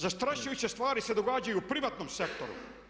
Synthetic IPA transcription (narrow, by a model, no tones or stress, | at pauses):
zast̪ɾaʃujut͡ɕest̪ʋaːɾise̞d̪oɡaːd͡ʑajuːpɾiʋat̪nomsekt̪o̞ɾṵ